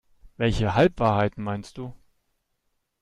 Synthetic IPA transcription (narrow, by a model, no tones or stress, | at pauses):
vɛlçəɦalpv̥aːɐɦaɪtn̩maɪnst̚d̥uː